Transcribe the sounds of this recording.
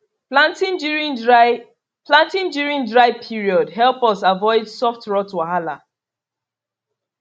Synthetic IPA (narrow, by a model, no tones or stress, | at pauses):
plãntĩnɹĩ | plãntĩndjuɹĩndɹaɪpʰiɹiɔdɦɛlˠpɔsavɔɪdsɔftɹɔtwaɦala̰